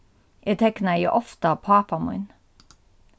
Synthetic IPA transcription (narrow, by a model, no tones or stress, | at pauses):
ʔeːt̪ʰɛknæjə̰ʔɔft̪əɑpʰɑːpɑmʊ̰ʏn